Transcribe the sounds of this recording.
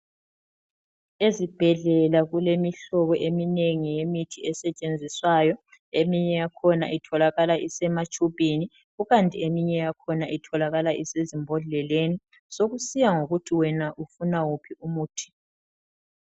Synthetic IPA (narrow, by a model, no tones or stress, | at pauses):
ezib̥ʱɛɮɛlaɣulemiɬɔɣɔʔemineŋijemitʰiɛsɛt͡ʃʼend͡zʱiswajɔ | emiɲɛjakʰɔna̰ʔitʰɔlaɣalaʔisɛmat͡ʃʼupini | ɣuɣantʼiemiɲɛjakʰɔnaʔitʰɔlaɣalaʔisezimbʱɔɮɛleni | soɣusijaŋoɣutʰiwɛnaʔufunawupʰiumuːtʰi̥